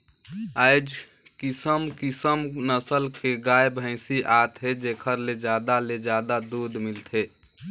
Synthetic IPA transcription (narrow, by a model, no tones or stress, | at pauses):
aɪd͡ʒ | kisəmkisəmnəsəlkeɡajbʱə̃ɪsiʔat̪ɦed͡ʒekʰəɾled͡ʒad̪aled͡ʒaːd̪ad̪uːd̪milt̪ʰe